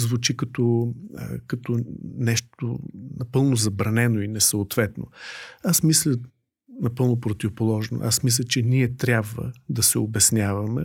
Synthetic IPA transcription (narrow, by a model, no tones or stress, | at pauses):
zvʊt͡ʃikɐt̪ɔ̰ | kɐt̪ɔnɛʃt̪onɐpɤlˠnʊzɐbɾɐnɛnoinɛsɐot̪vɛt̪no̰asmislʲə | nɐpɤlˠnopɾot̪ivʊpolˠɔʒno̰ʔa̰smis̬lʲət͡ʃɛniɛt̪ɾʲjabvə̰d̪ɐsɛobɛsnʲavɐmɛ